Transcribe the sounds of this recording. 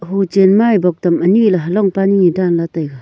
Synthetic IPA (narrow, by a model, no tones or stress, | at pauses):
ɦud͡ʒenmajbɔk̚tamənilaɦəlɔŋpaniŋidanlatajɡa